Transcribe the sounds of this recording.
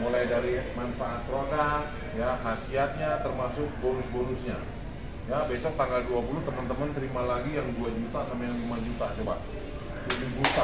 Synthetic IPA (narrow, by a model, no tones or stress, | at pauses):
molajdaɾimanfaʔat̪ːɾoka | jahasiat̪̚ɲat̪ərmasʊk̚boɾʊsboɾʊsɲa̰ | jabesɔk̚t̪aŋɡalduapulʊht̪əmənt̪əmənt̪əɾimalaɡijaŋduad͡ʒut̪asampajaŋlimad͡ʒut̪at͡ʃoba̰ʔ | kudibut̪a